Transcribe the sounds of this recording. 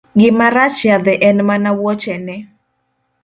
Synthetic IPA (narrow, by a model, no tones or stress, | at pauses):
ɡɪmaɾat͡ʃjad̪ɛʔɛnmanawɔt͡ʃɛnɛ